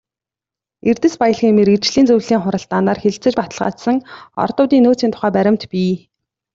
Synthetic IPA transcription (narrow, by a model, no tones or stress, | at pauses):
ert̪ɘ̆spajə̆ɮχimeɾit͡ɕɮiːnt͡sɵwɮiːŋχʊɾə̆ɬt̪ːaːnaːrxeɮt͡sɘ̆t͡ɕpat̪ə̆ɮʁa̰ːt̪sə̆ŋɔ̰rt̪ʊːt̪iːnːoːt͡siːnt̪ʰʊ̥χæːpæɾʲɪ̆m̥t̪pʲiː